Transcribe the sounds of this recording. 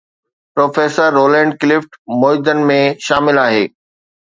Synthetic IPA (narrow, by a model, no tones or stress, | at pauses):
pɾoːfeːsəɾːoːlɛ̃ːɳɖklɪfʈmoːɪd̪ənɪ̆mẽʃaːmɪlaːɦeː